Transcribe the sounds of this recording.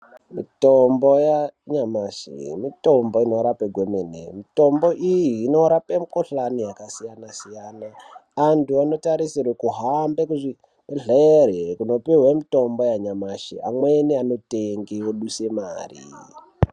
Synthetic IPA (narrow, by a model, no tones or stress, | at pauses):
mitombo̞jaɲamaʃḭmito̞mbo̞ino̞ɾapeɡʱwemenḛmito̞mbo̞ʔijiːno̞ɾape̞mukoɬanijakasijanasijanaantuano̞taɾisirwekuɦambekuʐi | ɮerekuno̞piwemito̞mbo̞jaɲamaʃḭa̰mwe̞niano̞teŋɡewoɗuse̞ma̰ːrḭ